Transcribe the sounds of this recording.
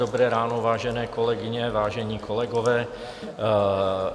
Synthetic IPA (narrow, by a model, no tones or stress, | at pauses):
obɾɛːɾaːnovaːʒɛnɛːkolɛɡɪɲɛvaːʒɛɲiːkʰolɛɡovɛː